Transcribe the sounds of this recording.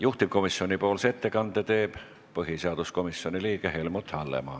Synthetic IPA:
juht̪ip̚komisːionʲipoːlset̪ːekɑnt̪et̪eːp | pɤɦiseɑd̪uskomisːionʲiliːkehelmut̪hɑlːḛmɑ̰ː

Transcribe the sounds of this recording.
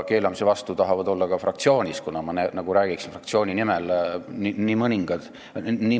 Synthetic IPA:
ke̞ːlɑmisevɑst̪ut̪ɑɦɑvɑd̪̥o̞lːɑkɑfrɑk̚t̪sio̞ːnʲiskunɑmɑnenɑɡ̥uɾæːɡ̥iksinfrɑkt̪sio̞ːnʲinimelniniːmɤniŋɡ̥ɑd̪̥ | ni

